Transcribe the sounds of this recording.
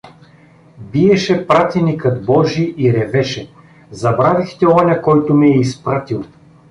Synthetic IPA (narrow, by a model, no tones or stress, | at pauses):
biɛʃɛpɾat̪ɛnikət̪bɔʒiʔiɾɛvɛʃɛ | zɐbɾavixt̪ɛɔnʲɐkɔjt̪ʊmɛɛispɾat̪ilˠ